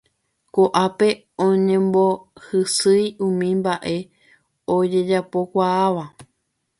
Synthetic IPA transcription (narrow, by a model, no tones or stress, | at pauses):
koʔape̞ | õɲẽ̞mbo̞hɨsɨjũmĩmbaʔe̞ | o̞d͡ʒe̞d͡ʒapo̞kʷaːʋa